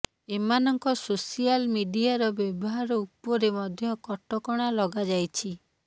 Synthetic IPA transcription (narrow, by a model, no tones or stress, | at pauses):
emanɔŋkɔsosialmiɖiaɾɔbjɔbɔɦaɾɔupɔɾemɔd̪ʱjɔkɔʈɔkɔɽ̃alɔɡad͡ʒajt͡ʃʰi